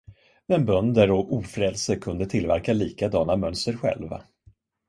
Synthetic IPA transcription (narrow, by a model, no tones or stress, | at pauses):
mɛnbœnd̪əɾɔuːfɾɛlsəɾkʰɵnd̪ət̪ʰɪlvæɾkaliːkad̪ɑːnamœnst̪əɾɧɛ̰lva̰